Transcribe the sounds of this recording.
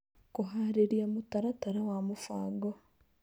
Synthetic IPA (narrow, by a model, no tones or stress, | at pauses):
kuɦaːɾeɾjamutaɾataɾawamufa̰ːɡo